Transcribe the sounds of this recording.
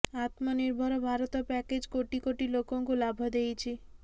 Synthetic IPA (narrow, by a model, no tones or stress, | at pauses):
at̪mɔniɾbʱɔɾɔbʱaɾɔt̪ɔpɛked͡ʒkoʈikoʈilokɔŋkulabʱɔd̪ejt͡ʃʰi